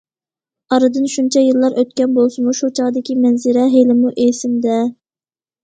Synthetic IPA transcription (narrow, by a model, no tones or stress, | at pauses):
ɑɾɨd̪ɨnʃunt͡ʃʰɛjɨlˠːɑɾʔøt̪̚kʲɛnbolˠsɨmuʃut͡ʃʰɑʁd̪ɪkʲimɛnzɪɾɛɦelɪmuʔesɪmd̪ɛ